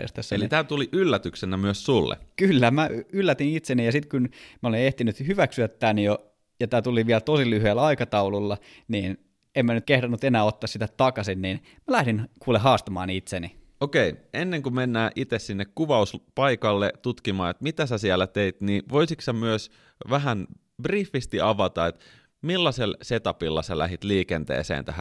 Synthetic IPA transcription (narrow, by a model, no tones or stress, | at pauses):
ḛst̪æsːelit̪æːt̪uliʔylːæt̪yksenæmyøssulːḛkylːæmæylːæt̪init̪senijɑsit̪kunmæoleneht̪inyt̪hyʋæksyæt̪ːænjo | jɑt̪æːt̪uliʋiælt̪osilyhyelːɑikɑt̪ɑululːɑ | niːn | emmænyt̪̚kehɾɑnːut̪enæːot̪ːɑːsit̪æt̪ɑkɑsinniːn | mælæhdinkuːleɦɑːst̪ɑmɑ̰ːnit̪seni | okeiʔenːeŋkumenːæːʔit̪essinːekkuʋɑuspɑikɑlːet̪ut̪kimɑːet̪mit̪æsæsielːæt̪eit̪niːʋoisiksæmyøs | ʋæɦæn | brifːist̪iɑʋɑt̪ɑet̪ | milːɑselset̪ɑpilːɑ̰sælæ̰ɦit̪liːkent̪ḛːsḛːnt̪æ̰hæ̰n